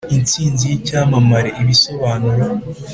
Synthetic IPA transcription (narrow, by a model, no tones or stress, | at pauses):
int͡siːnzijicaːmamaɾeʔiβiso̞βaːnuɾa